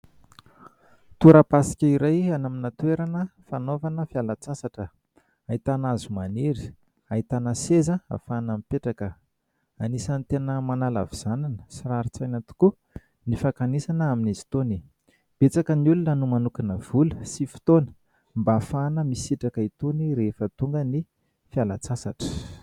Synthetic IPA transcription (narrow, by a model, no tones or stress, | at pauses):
t̪uɾapasi̥kʲəiɾajanaminat̪weɾanəfanovanəfjalat͡sasaʈ͡ʂə | ait̪anazumaneɾi̥ | ait̪anəsezəa̰fanamipeʈ͡ʂakə | anisanit̪enəmanala̰viz̥ananə̥siraɾit͡sajnat̪u̥ku | nifakanesanəaminizi̥t̪oni | b̥et͡sakəniulunanumanukinəv̥uləsifi̥t̪onə̥ | mbaːfanəmisiʈ͡ʂakait̪oniɾefət̪uŋɡəni | fjalat͡sasaʈ͡ʂə̥